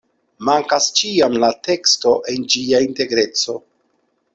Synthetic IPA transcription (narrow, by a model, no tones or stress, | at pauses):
maŋkast͡ʃiamlate̞ksto̞ʔe̞nd͡ʒiainte̞ɡɾe̞t͡so̞